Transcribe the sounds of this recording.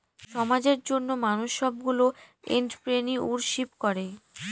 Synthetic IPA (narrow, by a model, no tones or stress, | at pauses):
ʃɔmad͡ʑeɾd͡ʑonːomanuʃːɔb̚ɡuloḛɳʈpɾeniʔuɾʃipkɔɾe